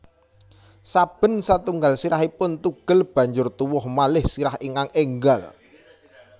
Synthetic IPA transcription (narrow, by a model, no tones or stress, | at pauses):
sab̥ə̤nsat̪uŋɡalsiɾaɦipʊnt̪uɡ̥ə̤lb̥a̤ɲd͡ʒʊrt̪uwʊhmalɪhsiɾahiŋkaŋeŋɡal